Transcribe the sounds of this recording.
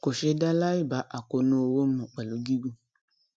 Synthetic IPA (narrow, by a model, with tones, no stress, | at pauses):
ko˨ʃe˧da˦la˦i˦˨ba˨˦ʔa˨ko˨nũ˧˦o˧wo˦mɔ̃˨k͡pa˨lo˨˦ɡi˦ɡu˦˨